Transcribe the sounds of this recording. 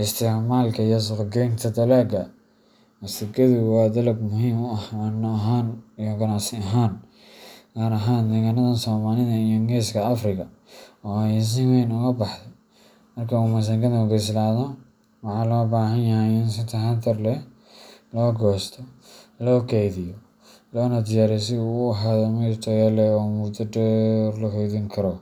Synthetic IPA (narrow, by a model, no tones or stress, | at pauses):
ʔɪst̪ʰɪʕmaːlkʰɐijɔs̬ʊqɡɛnt̪ʰɐd̪ɐlaːɡɐ | ɐsɪkɐðʊwɑːd̪ɐlɐɡmʊɦiːmʊɐhanːɐɦaːnijɔɡɐnaʕsɪɐɦaːn | ɡaːɾɐɦaːnd̪ɛːɣanɐðɐsɔːmaːlɪðɐijɔŋɡɛːskʰɐɐfrɪkʰɐ | ɔːɛs̬ɪwɛːnʊɣɐbɑħt̪ɛ | mɐrkʰɐʊmɐs̬ɐŋkɐðɐʊɡɛslaːða | wɑħɑːlɔːbaːhɐnjɐɦɛɪnsɪt̪ʰɐɦad̪ɐrlɛ | lɔːɡɔːst̪ʰɔlɔːɡɛjðɪjɔ | lɔːnɐd̪ɪjaːɾɛs̬ɪuʊɐɦaːðɔmɐt̪ʰɔjalɛɔːmud̪ɐdɔrlɐhɔjðiŋkʰɐɾɔ